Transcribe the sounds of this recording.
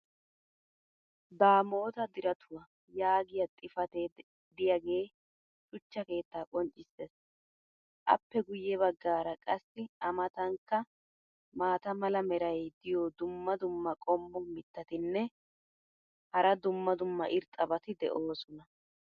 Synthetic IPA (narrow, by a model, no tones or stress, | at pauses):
baːmo̞ːt̪ɐd̪ɪɾɐt̪ʰʊwɐ | jaːɡɪjɐt̪ʼɪfɐt̪eː | d̪ɪjɐɡe̞ː | t͡ʃʼʊt͡ʃːɐke̞ːt̪ːaːkʼɔnt͡ʃʼːɪsːes | ʔɐ̰pːɛɡʊjːɛβɐɡːaːɾɐkʼɐsːɪɐmɐt̪ɐŋkːɐ | maːt̪ɐmɐlɐmɛɾɐjd̪ɪjod̪ʊmːɐd̪ʊmːɐkʼɔmːɔmɪt̪ːɐt̪ɪnːɛ | hɐɾɐd̪ʊmːɐd̪ʊmːɐʔɪɾt̪ʼɐbɐt̪ɪd̪ɛ̰ʔo̞ːsɔnɐ